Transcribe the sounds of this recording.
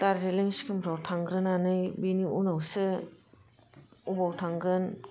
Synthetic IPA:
taɾzeliŋskʰimɾawtʰaŋɡɾɯnanɯjbiniʔunawsɯ | ubawtʰaŋɡɾɯn

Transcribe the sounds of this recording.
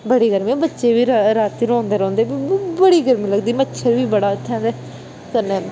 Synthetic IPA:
bəɽiːɡəɾmiːbətːʃeːʋiːɾɾaːt̪iːɾõːnd̪eːɾõːnd̪eːbibəɽiːɡəɾmĩːləɡd̪iːmətːʃʰəɾʋiːbəɽaːt̪ʰːãːd̪eː | kənːeː

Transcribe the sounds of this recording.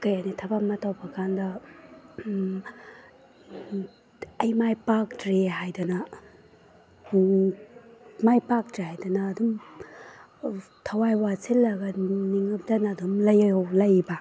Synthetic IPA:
kɐjanitʰɐbamɐtawbɐkʰandɐ | ɐjmajpak̚tɾeɦajdanɐ | majpak̚tɾehajdɔnɐːdum | tʰɐwajwasʰilːɐɡɐniŋɯp̚dɐnaːdumlɐjwlɐjba

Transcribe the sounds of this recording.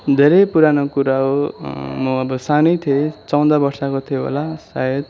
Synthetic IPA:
d̪ʱeɾʌjpuɾanokuɾaɦomʌʌbʌsanʌjt̪ʰet͡sʌw̃d̪ʌbʌrsakot̪ʰieɦo̰lasa̰jed̪

